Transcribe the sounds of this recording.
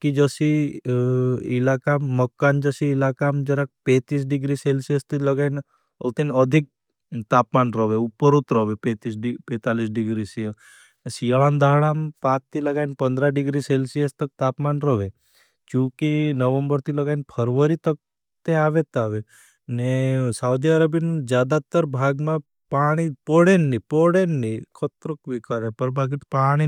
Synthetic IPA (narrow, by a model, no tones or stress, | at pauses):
kid͡ʒəsi | ilakamːəkːand͡ʒəsiɪlakamd͡ʒəɾak̚pẽt̪is̬ɖiɡɾiselsiest̪iləɡain | ə̰t̪inəd̪ʱik̚ | t̪aːpmanɾəʋeupːəɾut̪ɾɔʋepẽt̪ispẽːt̪alis̬ɖiɡɾisiə | sijɭand̪ʱaɭampãt̪ʰːiləɡaːinpənd̪ɾaɖiɡɾiselsijest̪ək̚t̪aːpmanɾəʋe | d͡ʒũkinəʋəmbəɾt̪ʰiləɡainpʰəɾʋəɾit̪ək̚ | t̪eaːʋet̪aːʋe | nesaud̪iaɾəbind͡ʒjaːd̪at̪əɾbʱaːɡmã | paːɽ̃ipɔɽenːipoɽenːikʰət̪ɾəkʋikəɾepəɾbʱaɡit̪paːɽ̃i